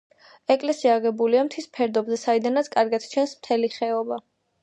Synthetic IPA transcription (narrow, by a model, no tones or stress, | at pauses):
ɛkʼlɛsiaːʁɛbuliamt̪ʰispʰɛɾd̪ɔbzɛsaid̪anat̪sʰkʼaɾɡat̪t͡ʃʰɛnsmt̪ʰɛliχɛɔba